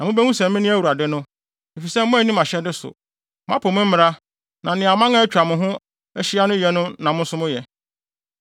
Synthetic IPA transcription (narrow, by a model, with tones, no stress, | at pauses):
nã˨mʊ̃˦bæ˦ŋũ˦sɛ̃˨m˦mɪ̃˦nɪ̃˦æ˦wu˨ɾa˨dɪ˦nʊ̃˦ | e˨fi˨sɛ˦m˦mʊ̃˦æ˨nĩ˦mã˨ɕɛ˦dɪ˦sʊ̰˨ | mã˦pʰo˨mʊ̃˦m̩˦mɪ̃˦ɾa˦ | nã˨nɪ̃˨a˨mã˦ŋã˦ɛ˦t͡ɕᶣa˨mʊ̃˨ɦʊ̃˦ | ɛ˦ɕi˦a˦nʊ̃˦jɛ˨nʊ̃˦nã˨mʊ̃˦n˦sʊ˦mʊ̃˦jɛ˨